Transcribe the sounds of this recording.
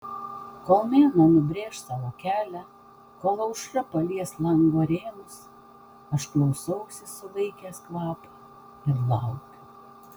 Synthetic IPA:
koːlˠmʲeːnoːnʊbʲɾʲeːʃsɑʋoːkʲæːlʲæ | koːlˠɐʊʃɾɐpɐlʲiɛslˠɐŋɡoːɾʲeːnʊs | ɐʃklˠɐʊsɐʊsʲɪsʊʋɐɪkʲeːskʋɑːpɐ | ɪɾlˠɑʊkʲʊ

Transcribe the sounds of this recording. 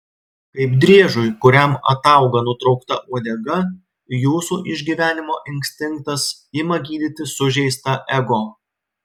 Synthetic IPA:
kɐɪpd̪ʲɾʲiɛʒʊjkʊɾʲæmɐ̰t̪ɐˑʊɡɐnʊt̪ɾɒʊkt̪ɐʔuɔd̪ʲɛɡɐ | juːsuːʔɪʒʲɡʲiːʋʲæːnʲɪmoːʔɪŋʲkʲsʲt̪ʲɪŋk̚t̪ɐsɪmɐɡʲiːd̪ʲɪt̪ʲɪsʊʒʲɛɪst̪ɐʔɛɡoː

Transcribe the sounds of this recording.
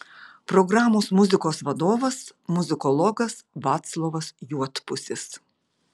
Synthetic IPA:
pɾɔɡɾɑːmoːsmʊzʲɪkoːsʋɐd̪oːʋɐsmʊzʲɪkɔlˠɔːɡɐsʋɑːt̪slˠoːʋɐsjuɔt̪pʊsʲɪs

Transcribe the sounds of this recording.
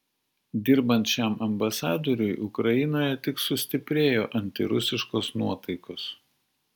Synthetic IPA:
d̪ʲɪɾbɐnʲt̪ʃʲæˑmɐmbɐsɑːd̪oːɾʲʊjʔʊkɾɐjɪnoːjɛt̪ʲɪksʊsʲt̪ʲɪpʲɾʲeːjoːʔɐnʲt̪ʲɪ̰ɾʊsʲɪʃkoːsnuɔt̪ɐɪkoːs

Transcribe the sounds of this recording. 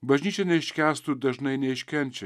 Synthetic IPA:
bɐʒniːt͡ʃʰɐneʃkaːst̪ud̪ɐʒnɐjneːʃkɐnt͡ʃʰɨ

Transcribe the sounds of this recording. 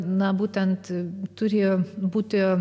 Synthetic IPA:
nɐbuːt̪ʲɛnt̪t̪ʊɾʲeːjoːbuːt̪ʲɪ

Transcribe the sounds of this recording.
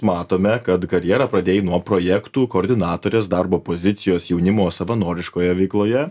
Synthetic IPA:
mɑːt̪oːmʲɛkɐt̪kɐɾʲjɛɾɐpɾɐd̪ʲeːjnuɔpɾoːjɛkt̪uːkoːɾʲd̪ʲɪnɑːt̪oːɾʲeːsd̪ɑɾboːpozʲɪt̪sʲɪjoːsjɛʊnʲɪmoːsɐʋɐnoːɾʲɪʃkoːjɛʋʲɛɪklˠoːjɛ

